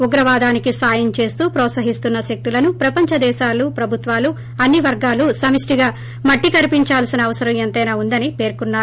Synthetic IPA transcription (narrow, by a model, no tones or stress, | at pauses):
uɡɾɐʋaːd̪aːnikisaːjɐnt͡ʃe̞ːst̪uːpɾɔːt̪sɐɦist̪unːɐʃek̚t̪ulɐnupɾɐpɐɲt͡ʃɐd̪ɛːʃaːlupɾɐbʱut̪ʋaːlu | ɐnːiʋɐɾɡaːlusɐmisʈiɡaː | mɐʈːikɐɾipiɲt͡ʃaːlsinɐːʋɐsɐɾɐ̃ment̪ɐjnaːund̪ɐnipe̞ːɾkunːaːɾ